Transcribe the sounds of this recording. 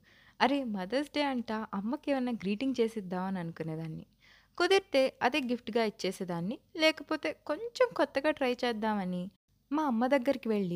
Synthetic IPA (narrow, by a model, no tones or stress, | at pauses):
ɐɾemɐd̪ɐsɖeːɐɳʈaːʔɐmːɐkeːʋɐjnːaːɡɾiːʈiŋɡt͡ʃe̞ːsid̪ːaːʋɐnɐnukunːeːd̪aːnːḭ | kod̪iɾt̪e̞ːɐd̪e̞ːɡifʈɡaːit͡ʃːeːseːd̪aːnːilɛːkɐpo̞ːt̪e̞ːko̞ɲt͡ʃemkɔt̪ːɐɡaːʈɾɐjt͡ʃɛːd̪ːaːmɐni | maːɐmːɐd̪ɐɡːɐɾikiʋe̞ɭːi